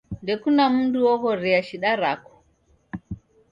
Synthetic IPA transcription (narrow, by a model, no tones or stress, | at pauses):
ndekunamuduwohoɾɛjaʃiɗaɾako̥